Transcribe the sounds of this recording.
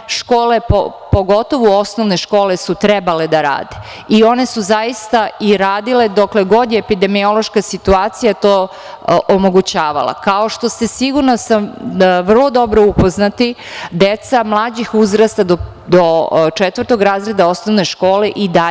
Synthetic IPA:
ʃkoːle̞po | po̞ɡo̞t̪o̞ʋuo̞snoʋne̞ʃko̞ːlesut̪ɾɛbale̞d̪aɾa̰ːd̪e | io̞ne̞suzaist̪aiɾaːd̪iled̪okleɡo̞d̪jeːpid̪emio̞lˠoʃkasit̪uaːt̪sijat̪oː | ʔomoɡut͡ɕaːʋa̰lˠa̰kao̞ʃt̪o̞st̪e̞siɡuɾnosamʋr̩lˠo̞d̪o̞bɾoupo̞znat̪id̪et̪samlˠaːd͡ʑixuzɾast̪ad̪o | d̪ot͡ʃet̪ʋər̩t̪o̞ɡɾaːzɾe̞d̪ao̞snoʋne̞ʃko̞ːleʔid̪a

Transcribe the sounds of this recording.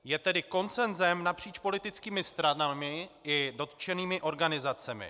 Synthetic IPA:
jɛt̪ɛdɪko̞nt͡sɛnzɛmnapr̝̥iːt͡ʃpo̞lɪt̪ɪt͡skiːmɪst̪ɾanamɪɪdo̞t̪t͡ʃɛniːmɪʔo̞ɾɡanɪzat͡sɛmɪ̰

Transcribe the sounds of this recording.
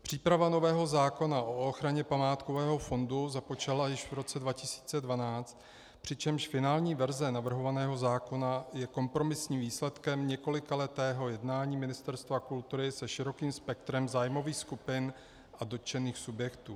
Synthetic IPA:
pr̝̥iːpɾavano̞vɛːɦo̞zaːko̞naʔo̞oxɾaɲɛpamaːt̪kovɛːɦo̞fo̞nduzapot͡ʃalajɪʃvɾo̞t͡sɛdvacɪsi̥ːt͡sɛdvanaːt͡st̪ | pr̝̥ɪt͡ʃɛmʃfɪnaːlɲiːvɛɾzɛnavr̩ɦo̞vanɛːɦo̞zaːko̞najɛko̞mpɾo̞mɪsɲiːmviːslɛt̪kɛmɲɛko̞lɪkalɛt̪ɛːɦo̞jɛdnaːɲiːmɪnɪst̪ɛɾst̪vakult̪uɾɪsɛʃɪɾo̞kiːmspɛkt̪ɾɛmzaːjmo̞viːxskupɪn | ʔado̞t̪t͡ʃɛniːxsubjɛkt̪uː

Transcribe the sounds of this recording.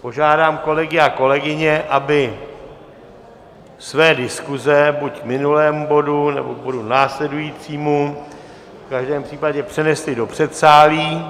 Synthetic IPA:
po̞ʒaːdaːmko̞lɛɡɪako̞lɛɡɪɲɛʔabɪ | svɛːdɪskuzɛbucmɪnulɛːmubo̞dunɛ̰bobo̞dunaːslɛdujiːt͡siːmu | fkaʒdɛːmpr̥iːpaɟɛpr̝̥ɛnɛslɪdo̞pr̝̥ɛt̪saːliː

